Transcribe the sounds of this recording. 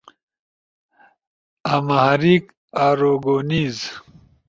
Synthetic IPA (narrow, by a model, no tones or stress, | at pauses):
amahaɾiːk | aːɾoːɡoːniːz